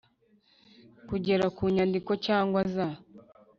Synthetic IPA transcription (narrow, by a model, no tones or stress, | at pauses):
kuɟe̞ɾakuːɲandiko̞caːŋɡwaza